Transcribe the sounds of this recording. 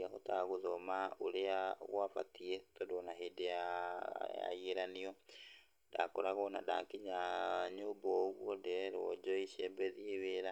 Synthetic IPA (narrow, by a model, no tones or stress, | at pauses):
aɣotaɣoðɔmaoɾeaɣwava̰tietɔdonaɦeːdeja | ja̰ieɾaniɔ | dakoɾaɣɔna̰da̰ːŋkiɲaɲoːbɔɣwɔndɛɾɔd͡ʒɔiʃɛbɛðieweɾa